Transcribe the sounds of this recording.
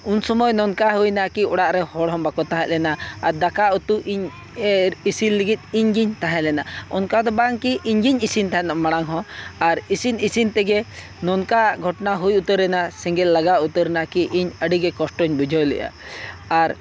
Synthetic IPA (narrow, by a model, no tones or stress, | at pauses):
unsɔmɔjnɔnkaɦujnakiɔɽaʔɾɛhɔɽɦɔ̃mbakɔt̪ãɦɛt̪̚lɛnaaɾd̪akaut̪uʔiɲ | isilːiɡit̪̚ˀiɲɡiɲt̪aɦɛ̃ʔlɛnaɔ̰nkad̪ɔbaŋkiʔiɲɡiɲisint̪aɦɛ̃namaɽ̃aŋɦɔ̃aɾisinisint̪ɛɡɛ | nɔnkaʔɡʱɔʈnaɦujut̪əɾɛnasɛŋɡɛlːaɡaut̪əɾnaʔkiʔiɲəɖiɡɛkɔsʈɔɲbud͡ʒʱɔjlɛ̰ʔa̰aɾ